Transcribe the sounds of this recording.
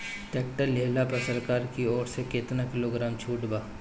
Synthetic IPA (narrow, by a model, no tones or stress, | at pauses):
ʈeːkʈəɾleɦlapɐsəɾkaːɾkiɔːɾsekeːt̪nakɪloɡɾaːmt͡ʃʰuːʈbaː